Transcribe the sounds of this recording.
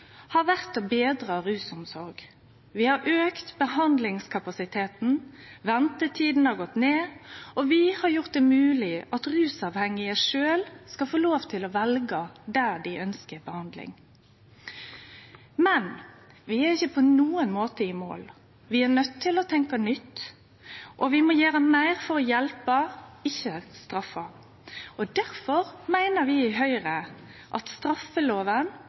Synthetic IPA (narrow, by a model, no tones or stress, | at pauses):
hɑʋæʁt̪obeːd̪ɾɑɾʉːsɔmsɔɾɡ | ʋɪhɑɾʔøːkt̪bəhɑnd̪lɪŋskʰɑpɑsɪt̪ʰeːt̪n̩ʋɛnt̪ət̪ʰiːd̪n̩hɑɡɔt̪ːneːɔʋɪhɑɾjʊʁt̪̚d̪ɛmʉːlɪʔɑt̪ʁʉːsɑʋhɛŋɪəʂøːlskɑfoːloːʋt̪ʰɪlɔʋɛlɡəd̪æːd̪ɪʔœnskəbəhɑnd̪lɪ̰ŋ | mɛn | ʋɪæɾɪçːəpʰɔnuːənmoːt̪əɪmo̰ːl | ʋɪæɾnœt̪ʰːɪlɔt̪ʰɛŋkɑnʏt̪ː | ʔɔʋɪmɔjæːɾəmæɪɾfɔɾɔjɛlpəɪçːəst̪ɾɑfːɑ | ɔd̪æɾfɔɾmæɪnəɾʋɪɪɦœʏɾə | ʔɑt̪st̪ɾɑfːəloːʋən